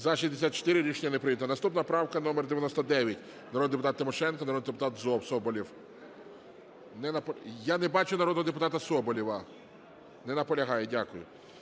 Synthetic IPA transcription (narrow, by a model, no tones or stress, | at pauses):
zɐʃizʲd̪esʲat̪̚t͡ʃo̥t̪ɪɾɪɾʲit͡ʃnʲɐnepɾɪjit̪ɐnɐst̪upnɐpɾɑwkɐnɔmerd̪eʋʲjɐnɔst̪ɔd̪ɛʋʲjɐtʲ | nɐɾɔd̪d̪epʊt̪ɑt̪ːɪmɔʃɛnkɐnɐɾɔd̪nid̪epʊt̪ɑt̪zɔpsɔbɔlʲiw | nɛnɐpɔjanɛbɑt͡ʃʊnɐɾɔd̪ɦɔd̪ep̬ʊt̪ɑt̪ɐsɔbɔlʲiʋɐ | nɛnɐpɔlʲɐɦɑjɛdʲakʊjʊ̰